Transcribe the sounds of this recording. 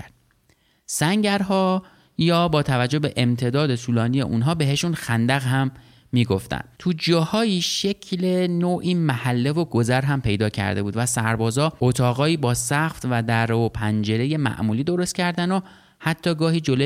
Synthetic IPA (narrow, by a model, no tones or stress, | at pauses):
æɾd̪̥ | sæŋɟæɾɦɒː | jɒːbɒːt̪ʰævæd͡ʒːohbe̞ʔemt̪ʰe̞d̪ɒːd̪e̞sʰuːlɒːnije̞̰ʔunɦɒːbe̞ɦe̞ʃunxænd̪æɣɦæmː | iːɡo̞ft̪æ̰nt̪ʰud͡ʒɒːhɒːiːʃe̞cʰlenoːʔiːmæhælːe̞vo̞ɡo̞zæɾɦæmpʰe̞jd̪ɒːcʰæ̰ɾd̪e̞buːd̪væsæɾbɒːzɒːʔot̪ʰɒːɣɒːiːbɒːsæxft̪væd̪æɾopʰænd͡ʒe̞ɾe̞je̞mæ̰ʔmuːliːd̪o̞ɾo̞st̪̚cʰæɾd̪æno | hæt̪ʰːɒːɡɒːhiːd͡ʒolo